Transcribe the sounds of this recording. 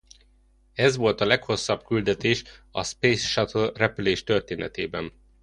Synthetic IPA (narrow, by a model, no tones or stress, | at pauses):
ɛzʋo̞lt̪ɒlɛkho̞sːɒbkyld̪ɛt̪eːʃɒspeːsʃɒt̪ʰolrɛpyleːʃt̪ørt̪eːnɛt̪ḛːbɛn